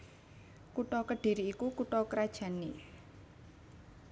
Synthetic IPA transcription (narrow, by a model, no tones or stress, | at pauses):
kuʈɔkəɖ̥i̤ɾiːkukuʈɔkɾad̥ʒ̥a̤ni